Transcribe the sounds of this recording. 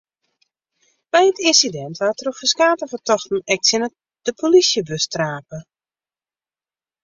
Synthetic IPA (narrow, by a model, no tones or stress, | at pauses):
b̥ɛjətɪnsidɛntʋatrofəskaːtəfərtʰɔxtn̩ɛk̚tsɪnə | d̥əpʰolisjəbøstraːpə